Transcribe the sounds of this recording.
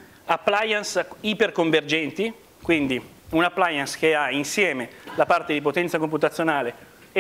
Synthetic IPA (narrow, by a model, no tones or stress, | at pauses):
apːlajansiperkoɱverd͡ʒɛnt̪i | kwind̪i | unapːlajansk̟eainsjɛːmelapart̪ed̪ipot̪ɛnt̪sakomput̪at̪sjonaːle